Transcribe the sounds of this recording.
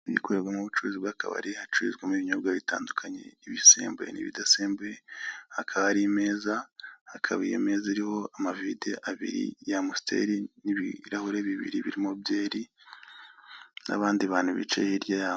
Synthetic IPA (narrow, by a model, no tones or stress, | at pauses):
jḭkoɾeɾɡwamuβut͡ʃuɾuzibɡaka̰βa̰ɾihat͡ʃuizɡemiβiɲobɡaβita̰ːndukʰaɲe̞̰iβisḛːmbḛnḭβḭdaseːmbehakʰaβaaɾime̞ːzahakʰaβijḛme̞ːziɾiho̞amavideʔaβḭɾḭjamustʰḛɾiniβiɾahoɾe̞βiβḭɾiβiɾimobje̞ːɾi | na̰βaːndiβaːn̥huβḭt͡ʃḛhiɾjajao